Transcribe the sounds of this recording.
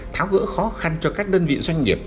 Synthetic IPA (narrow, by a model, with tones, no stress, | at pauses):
t̪ʰaː˨˦wɣə̰ː˧˥xɔ˨˦xa˧nt͡ɕɔ˧kaː˦˥k̚ɗəː˧nvḭ˧˨swa˧jŋŋi˨˩əp̚